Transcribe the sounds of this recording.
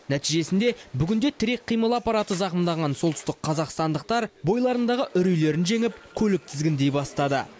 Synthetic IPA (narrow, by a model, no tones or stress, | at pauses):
næt̪ijʒe̞sɪnd̪e̞bʏɡʲɪnd̪e̞t̪ʰɪɾe̞k̚qʰːijməlˠɑpːɑɾɑt̪əzɑqəmd̪ɑʁɑnso̞lˠt̪ʏ̥st̪ɪqqʰːɑzɑqst̪ɑnd̪əq̚t̪ɑɾbo̞jlˠɑɾənd̪ɑʁəʔʏɾijle̞ɾɪnʒe̞ŋɪpkʲʰɵlɪk̚t̪ʰɪzɡʲɪnd̪e̞jbɑst̪ɑd̪ə̰